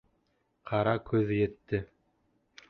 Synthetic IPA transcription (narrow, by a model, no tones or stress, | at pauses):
qʰɑɾɑkʉðjɘ̆t̪ːɘ